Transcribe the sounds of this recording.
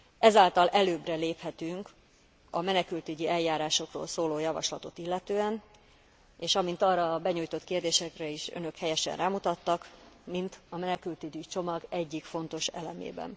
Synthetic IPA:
ɛzaːlt̪ɒlʔɛløːbrɛleːphɛt̪yŋk | ɒmɛnɛkylt̪yɟiɛljːaːɾaːʃo̞kro̰ːlsoːloːjɒvɒ̰ʃlɒt̪o̞t̪ilːɛt̪øːɛn | eːʃɒmint̪ɒrɒːbɛɲuːjt̪o̞t̪keːrd̪eːʃɛkrɛiʃø̰nø̞khɛjɛʃɛ̰nraːmut̪ɒt̪ːɒkmint̪ɒmɛnɛkylt̪yɟit͡ʃo̞mɒɡɛɟːikfo̞n̪t̪o̞ʃɛ̰lɛmḛːbɛ̰n

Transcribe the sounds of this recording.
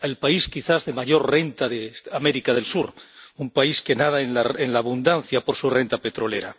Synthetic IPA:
elpaiskiθazðemaʝo̞ɾre̞nt̪aðeame̞ɾikaðe̞lsuɾumpaiske̞nað̞aenlaenlaːβund̪anθjapo̞ɾsure̞nt̪ape̞t̪ɾo̞le̞̰ɾa̰

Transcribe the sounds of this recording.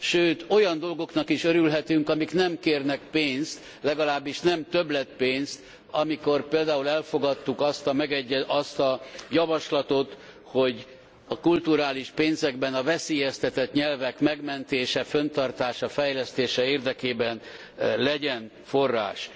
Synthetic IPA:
ʃøːt̪o̞jɒnd̪o̞lɡo̞knɒkiʃøɾylɦɛt̪yŋkɒmiknɛmkeːrnɛk̚peːnst̪ | lɛɡɒlaːbːiʃnɛmt̪ø̞blɛt̪̚peːnst̪ | ɒmiko̞rpeːld̪aːulɛlfo̞ɡɒt̪ːukɒst̪ɒmɛɡɛɟːɛɒst̪ɒjɒvɒʃlɒt̪ot̪ | ho̞ɟ | ɒkult̪uɾaːliʃpeːnzɛɡbɛnɒvɛseːjɛst̪ɛt̪ɛt̪ɲɛlvɛkmɛɡmɛnt̪eːʃɛfønt̪ɒrt̪aːʃɒfɛjlɛst̪eːʃɛeːrd̪ɛkeːbɛn | lɛɟɛn | fo̞rːa̰ːʃ

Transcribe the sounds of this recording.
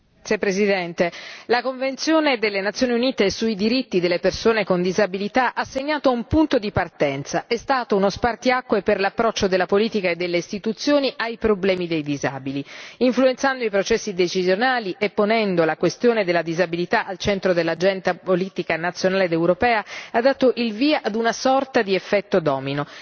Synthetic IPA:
sepːɾezid̪ɛnt̪elakoɱvent̪sjoːned̪elːenat̪sːjoːniuniːt̪esuid̪iɾit̪ːid̪elːepersoːnekond̪izabilit̪aʔasːeɲːaːt̪oumpunt̪od̪ipart̪ɛnt̪saʔɛst̪aːt̪ounospart̪iakːweperlapːɾɔt͡ʃːod̪elːapoliːt̪ikaed̪ːelːeist̪it̪ut̪sːjoːniʔajpɾoblɛːmid̪ejd̪iza̰ːbiliiɱfluent̪sand̪oipɾot͡ʃɛsːid̪et͡ʃizjonaːliʔepːonɛnd̪olakwest̪joːned̪elːad̪izabilit̪aʔalt͡ʃɛnt̪ɾod̪elːad͡ʒɛnt̪apoliːt̪ikanat̪sːjonaːled̪ewɾopɛːaad̪ːaːt̪oʔilviːaʔad̪unasɔrt̪ad̪iefːɛt̪ːod̪ɔːmino

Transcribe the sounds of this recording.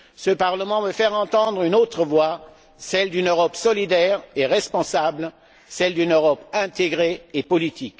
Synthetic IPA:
səpaʁləmɑ̃vøfɛʁɑ̃t̪ɑ̃d̪ʁynot̪χəvwa | sɛld̪ynøʁɔpsɔlid̪ɛʁeʁɛspɔ̃sabl | sɛld̪ynøʁɔpɛ̃t̪eɡʁeːpɔlit̪ik

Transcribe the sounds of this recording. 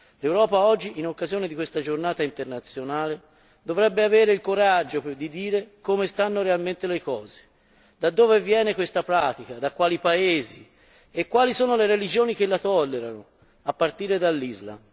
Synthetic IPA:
lewɾɔːpaɔd͡ʒːiʔinokːazijoːned̪ikwest̪ad͡ʒornaːt̪aint̪ernat̪sjonaːle | d̪ovɾɛbːeaveːɾeilkoɾad͡ʒːod̪id̪iːɾekomest̪anːoɾealment̪elekɔːze̥ | d̪ad̪ːoːvevjɛːnekwest̪apɾaːt̪ikad̪akːwaːlipaeːzi | ekːwaːlisoːnoleɾelid͡ʒoːnik̟elːat̪ɔlːeɾano | apːart̪iːɾed̪alːizla̰m

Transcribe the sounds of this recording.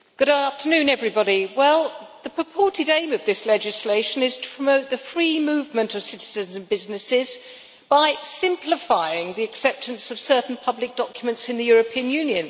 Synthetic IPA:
ɡ̥ʊɾæftə˞nʉ̃nɛvɹibɑɾiwɛlˠðəpʰɹ̥əpʰɔɹɾɨɾẽɪ̃mʌvðɪslɛd͡ʒɨsleɪʃɨ̃nɪz̥tʰə̥pʰɹ̥əmoʊt̪̚ðɨfɹimʉvmə̃ntʌv̥sɪɾɨzɨ̃nzɨ̃n̩bɪznɨsɪz | b̥aɪsɪ̃mpʰlɪfaɪɪ̃ŋðiɨksɛp̚tʰɨ̃nsʌv̥sɜ˞ʔn̩pʰʌblɨk̚d̥ɑkʰjmə̃ntsɨ̃nðɨjʊɹɨpʰĩɨ̃njʉ̃njɨ̃n

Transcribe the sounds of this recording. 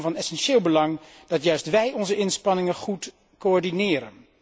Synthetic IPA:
vɑnɛsɛnʃɪːlˠbəlɑŋ | d̥ɑtjœɥstʋɛjʔɔnzəʔɪnspɑnɪŋəχut | koɔɹdinɪːɾə̰n

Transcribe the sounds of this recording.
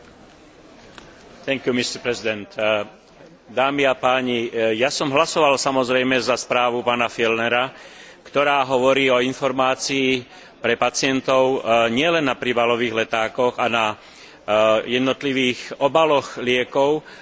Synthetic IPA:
t̪ɛŋkjumist̪ɛɾpɾɛzid̪ɛnt̪ | d̪aːmiapaːɲijasɔmɦlasɔʋalsamɔzɾɛjmɛzaspɾaːʋupaːnafilnɛɾakt̪ɔɾaːɦɔʋɔɾiːɔinfɔɾmaːt͡siː | pɾɛpat͡sɪɛnt̪ɔʊɲɪɛlɛnːapɾibalɔʋiːɣlɛt̪aːkɔɣana | jɛd̪nɔt̪liʋiːxɔbalɔɣlɪɛkɔʊ

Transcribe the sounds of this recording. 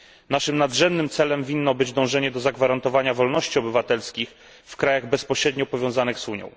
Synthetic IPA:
naʂɘmnad̪ʐɛmnɘmt̪sɛlɛmvʲinːɔbɘd͡ʑd̪ɔ̃w̃ʐɛɲɛd̪ɔzaɡvaɾant̪ɔvaɲavɔlnɔɕt͡ɕiɔbɘvat̪ɛlskʲix | fkɾajaɣbɛspɔɕɾɛd̪ɲɔpɔvʲjɔ̃w̃zanɘɣzuɲɔ̰̃w̃

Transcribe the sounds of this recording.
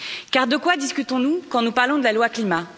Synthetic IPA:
kaʁd̪əkwad̪iskʲyt̪ɔ̃nukɑ̃nupaʁlɔ̃d̪əlalwaklima

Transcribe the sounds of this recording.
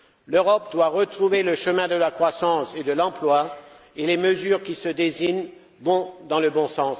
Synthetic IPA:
løʁɔp̚d̪waʁət̪χuveləʃəmɛ̃d̪əlakχwasɑ̃sed̪əlɑ̃plwa | eleməzyʁkʲisəd̪eziɲ | bɔ̃d̪ɑ̃ləbɔ̃sɑ̃s

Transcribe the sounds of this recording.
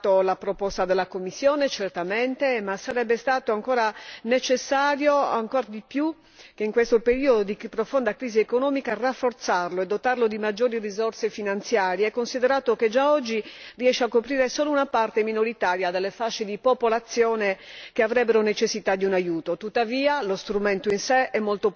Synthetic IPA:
t̪olapɾopɔst̪ad̪elːakomːisːjɔːnet͡ʃɛrt̪ament̪emasaɾɛbːest̪aːt̪oaŋkɔːɾanet͡ʃesːaːɾjoaŋkɔɾd̪ipju | keiŋkwest̪opeɾiːod̪od̪ipɾofond̪akɾiːziekonɔːmikarafːort̪sarloɛd̪ːot̪arlod̪imad͡ʒːoːɾirizorsefinant̪sjaːɾjeɛkːonsid̪ɛɾaːt̪oked͡ʒaɔd͡ʒːiriɛʃːeakːopɾiːɾesoːlounapart̪eminoɾit̪aːɾjad̪elːefaʃːed̪ipopolat̪sːjɔːnekeavɾɛbːeɾonet͡ʃesːit̪ad̪ːiunajuːt̪ot̪ut̪ːaviːalost̪ɾument̪oinseɛmːolt̪o

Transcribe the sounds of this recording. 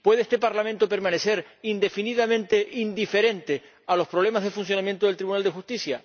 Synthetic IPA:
pwe̞ðeest̪epaɾlamẽnt̪ope̞ɾmãne̞se̞ɾind̪e̞finiðamẽ̞nt̪e̞ʔind̪ife̞ɾe̞nt̪e̞ | alo̞spɾo̞β̞le̞mazðefunsjo̞nãmjent̪oðlt̪ɾiβunald̪e̞xust̪isja

